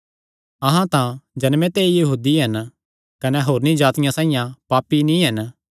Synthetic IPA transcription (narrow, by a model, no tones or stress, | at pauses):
ɐɦãt̪ãd͡ʒɐnmẽt̪eːijɐɦuːd̪iɦɐn | kɐnɛɦoːɾnĩd͡ʒaːt̪ɪjãsãːɪ̃jãpaːpːinĩɦɐn